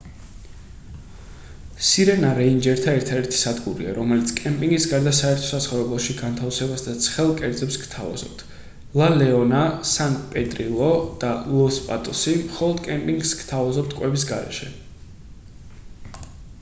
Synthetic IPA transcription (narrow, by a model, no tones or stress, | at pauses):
siɾɛnaɾɛind͡ʒɛɾt̪ʰaɛɾt̪ʰad̪ɛɾt̪ʰi̥sad̪ɡuɾḭa̰ɾɔmɛlit̪sʰkʼɛmpʼiŋɡisɡaɾd̪asaɛɾt̪ʰɔ̥sasχɔvɾɛblˠɔʃiɡant̪ʰafsɛbasd̪at̪sʰχɛlˠkʼɛɾd̪zɛpskt̪ʰava̰z̥ɔ̰p̚t̪ʰ | lˠalɛɔnasanpʼɛd̪ʼɾilˠɔd̪̥alˠɔspʼat̪ʼɔsimχɔlˠɔd̪kʼɛmpʼiŋɡskt̪ʰavazɔp̚t̪ʰkʼwɛbis̬ɡaɾɛ̰ʃɛ